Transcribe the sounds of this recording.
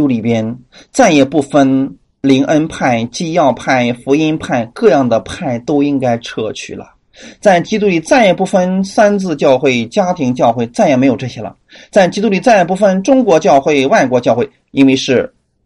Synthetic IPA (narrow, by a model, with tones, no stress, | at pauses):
u˧˥li˨˩pjɛ˥nt͡sa˥˧njɛ˥˩pu˥˩fə˥n | li˧˥ŋʔə˥npʰa˥˩ɪt͡ɕi˥˧jɑ˥˧ʊpʰa˥˩ɪfu˧˥i˥npʰa˥˧ɪkɤ˥˧jɑ˥˩ŋd̪ə˩pʰa˥˩ɪt̪o˥ʊi˥ŋka˥ɪʈ͡ʂʰɤ˥˩t͡ɕʰy̰˥˩lə̰˩ | t͡sa˥˩ɪt͡ɕi˥t̪̬u˧˥li˨˩t͡sa˥˧njɛ˥˧pu˥˩fə˥nsa˥nt͡sʰɹ̩˥˧t͡ɕjɑ˥˧ʊxwe˥˩ɪt͡ɕja˥t̪ʰi˧˥ŋt͡ɕjɑ˥˧ʊxwe˥˩ɪt͡sa˥˩njɛ˥˩m˧˥o˨˩ʊʈ͡ʂɤ˥˩ɕjɛ˥lə̰˩ | t͡sa˥˩ɪt͡ɕi˥t̪u˥li˨˩t͡sa˥˧njɛ˧˩pu˥˩fə˥˩nʈ͡ʂʊ˥ŋkwɔ˧˥t͡ɕjɑ˥˧ʊxwe˥˧ɪwa˥˩ɪkwɔ˧˥t͡ɕjɑ˥˧ʊxwe˥˩ɪ | i˥nwe˥˧ɪʂɻ̩˥˩